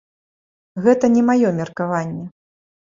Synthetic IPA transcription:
ɣɛt̪ɐnʲɛmajɔmʲɛrkavanʲːɛ

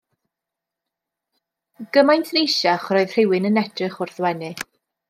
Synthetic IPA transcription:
ɡ̥əmajntʰnejʃaχrɔɨð̥r̥ɪwɪnənɛd̥rɨχʊrθwɛnɨ

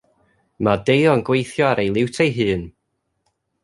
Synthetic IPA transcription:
madejɔnɡwejθjɔaɾejlˠɪwtʰejɦɨːn

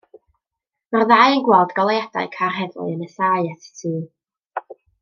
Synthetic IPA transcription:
marðaːjənɡwɛlˠdɡɔlˠejada̰ɨkʰarɦɛðlʊ̰ɨənəsaɨatʰi̥tʰɨː

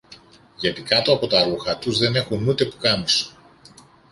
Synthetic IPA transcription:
ʝɐt̪ikɐt̪oɐpo̞t̪ɐɾuxɐt̪uzðe̞ne̞xunut̪e̞pu̥kɐnis

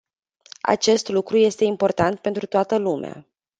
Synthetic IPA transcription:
a̰t͡ʃe̞st̪lukɾuje̞st̪e̞impo̞rt̪ant̪̚pe̞nt̪ɾut̪oat̪əlumḛa̰

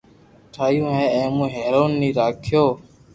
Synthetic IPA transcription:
ʈʰaːjũːɦɛ̃ːɛ̃ːmũːɦɛːɾoːnːiːɾaːkʰjoː

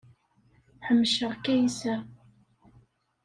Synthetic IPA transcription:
ħəmːʃəʁkæjisæ

